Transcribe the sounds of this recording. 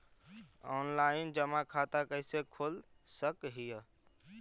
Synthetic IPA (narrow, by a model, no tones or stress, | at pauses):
ɔnlaɪnd͡ʒəmakʰat̪akəɦɪsekʰol | səkɦijə